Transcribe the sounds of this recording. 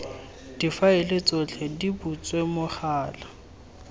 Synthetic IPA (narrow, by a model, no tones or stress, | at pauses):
d̥ifaɪlɪt͡sʼɔt͡ɬʰɛdibut͡sʼwemʊχaːla